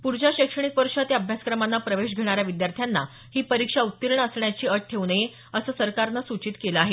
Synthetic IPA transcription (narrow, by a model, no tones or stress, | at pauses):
puɾd͡ʑaɕəkʂəɳ̃ik̚pəɾʂət̪jaəbʱjaskɾəmanːapɾəʋeɕ̬ɡʱeɽ̃aɾjaʋid̪jaɾt̪ʰjanːa | hiːpəɾikʂaut̪ːiɾɳəsɳjat͡ɕiːəʈ̚ʈʰeʋnəje | əsəːsəɾkaɾnasut͡ɕit̪keləaɦe